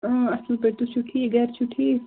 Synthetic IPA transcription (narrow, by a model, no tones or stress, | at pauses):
ə̃ɐslpeɾt̪ut͡ʃʰuʈʰːiɡɛːɾt͡ʃʰuʈʰːi